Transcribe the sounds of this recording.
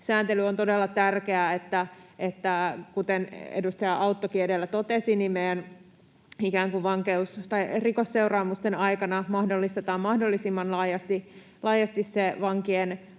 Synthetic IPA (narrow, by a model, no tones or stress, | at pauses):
sæːnt̪elyont̪odelːɑt̪ærkeæet̪ːæʔet̪ːækut̪enḛdust̪ɑjɑʔɑut̪ːokiedelːæt̪ot̪esinimmejæn | ikæːŋkuʋʋɑŋkeust̪ɑirikosːeurɑːmust̪enɑikɑnɑmɑhdolːist̪et̪ɑːmmɑhdolːisimːɑnlɑːjɑst̪i | lɑːjɑst̪isseʋɑŋkien